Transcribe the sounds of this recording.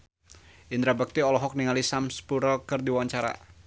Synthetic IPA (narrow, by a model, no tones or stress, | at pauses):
ʔind̪ɾabak̚t̪iɔlɔɦɔk̚niŋalisamspuɾəlkərdiwaɲt͡ʃaɾa̰